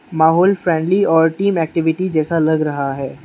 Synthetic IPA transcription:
maːɦɔːlfɾɛ̃ːɳɖliɔːɾʈiːmɛːk̚ʈɪʋɪʈid͡ʒɛːsalɐɡɾɐɦaɦɛː

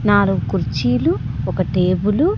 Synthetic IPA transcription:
naːluɡukuɾt͡ʃiːluɔkɐʈeːbulu

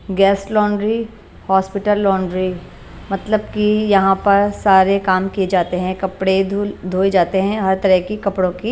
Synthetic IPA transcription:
ɡɛːslɔ̃ːɳɖɾi | hɔːspɪʈəlːɔːɳɖɾi | mɐt̪ləb̚kijɐɦãpɐɾsaːɾekaːmkijed͡ʒaːt̪eɦɛ̃kɐpɽed̪d̪ʱoːed͡ʒaːt̪eɦɛ̃ɦɐɾt̪ɐɾəɦkikɐpɽõki

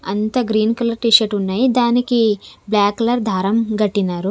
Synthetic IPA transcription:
ɐ̰nt̪ɐɡɾiːnkɐlɐɾʈiːʃɐʈunːaːjid̪aːnikiblaːkːɐlɐɾd̪ʱaːɾɐmɡɐʈːinaːɾu

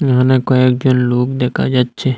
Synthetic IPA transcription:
jɦãnekoeːk̚d͡ʒʊnloːkd̪eːkʰa̰d͡ʒatːʃʰe

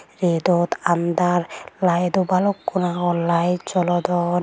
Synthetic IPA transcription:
ɾed̪ɔt̪and̪aɾlajd̪ubalɔkːunaɡɔlajt͡ʃɔlɔd̪ɔ

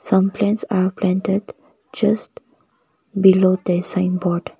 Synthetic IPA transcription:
sʌ̃mplɛ̃nʈsaɾplɛ̃nʈeɖ | d͡ʒəsʈ | bilod̪esãɪ̃mbɔɾɖ

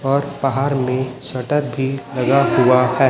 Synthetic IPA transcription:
ɔːɾbaɦaːɾmẽsɐʈəɾbʱilɐɡaɦʊahɛː

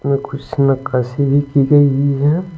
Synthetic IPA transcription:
mẽkʰʊsmekɐsibʱikiɡɐiɦiɦɛ

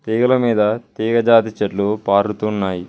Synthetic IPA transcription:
t̪iːɡɐlɐmiːd̪ɐt̪iːɡɐd͡ʒaːt̪̬it͡ʃɐʈlupaːɾut̪unːaːji

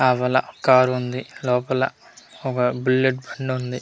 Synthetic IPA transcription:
aːʋɐlɐkaːɾund̪ilɔːpɐlɐ̰ | ɔkɐbulːeʈ̚bɐɳɖund̪i

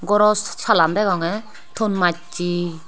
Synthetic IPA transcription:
ɡɔɾɔssʰaland̪ɛɡɔŋɛ | t̪ʰonmat͡ʃi

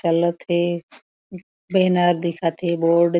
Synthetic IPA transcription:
t͡ʃɐlt̪ʰe | beːnaːɾd̪ɪkʰat̪ʰeboːɾɖ

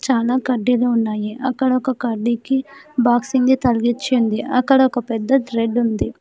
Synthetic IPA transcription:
t͡ʃaːlaːkɐɖːiloːunːaːjiʔɐkːɐɽɐɔkɐkɐɾɖikibaːksind̪it̪ɐlɡit͡ʃːind̪iʔɐkːɐɽɐɔkɐpɛd̪ːɐd̪ɾeɖund̪i

